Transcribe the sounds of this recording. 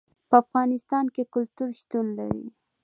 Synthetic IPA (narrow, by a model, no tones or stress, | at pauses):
pəafɣɑnɪst̪ɑnkekʊlt̪uɾʃt̪unla̰ɾḭ